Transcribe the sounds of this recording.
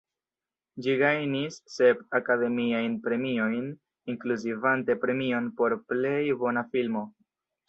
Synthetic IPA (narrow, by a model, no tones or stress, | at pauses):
d͡ʒiɡajnisːe̞bakade̞miajnpɾe̞mio̞jn | iŋkluzivante̞pɾe̞mio̞npo̞ɾple̞jbo̞nafilmo̞